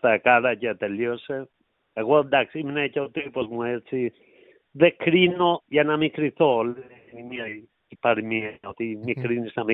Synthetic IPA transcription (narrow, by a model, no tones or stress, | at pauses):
t̪akaɾacet̪eljose | aɣod̪aksiminecawt̪iposmueɾt͡si | ðekɾinojanamikɾiθol | nimje | ipaɾimɛawt̪imikɾinisnami